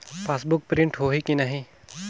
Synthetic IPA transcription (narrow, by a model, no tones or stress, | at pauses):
paːsbʊk̚pɾɪ̃ɳʈɦoːɦikinɐɦĩ